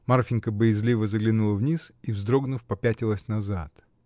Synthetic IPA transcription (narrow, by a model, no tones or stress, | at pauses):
marfʲɪnʲkəbəjɪzlʲivəzəɡlʲɪnulˠəvnʲisivzd̪ɾo̞ɡnʊfpɐpʲætʲɪlˠəsʲnɐzat̪